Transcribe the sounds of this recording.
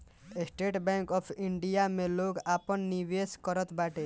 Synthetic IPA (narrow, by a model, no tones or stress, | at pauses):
esʈeʈbɛŋkɔpʰiɳɖijameloɡapɔnːiʋeskɔɾɔt̪ʰbaʈe